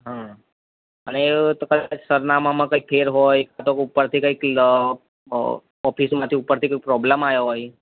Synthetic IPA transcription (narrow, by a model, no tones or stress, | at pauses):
ɦã | ə̰net̪okəd̪ad͡ʒsəɾnamãmãkəik̚pʰeɾɦojkat̪okupːəɾt̪ʰikəik | ɔpʰismãt̪ʰiupːəɾt̪ʰikəikpɾɔbləmajoɦoj